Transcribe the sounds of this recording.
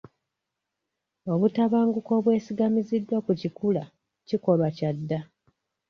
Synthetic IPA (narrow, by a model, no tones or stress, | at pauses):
o̞βutaβaːŋɡuko̞ːβwe̞ːsiɡamizidːwakucikula | ciko̞lwacadːa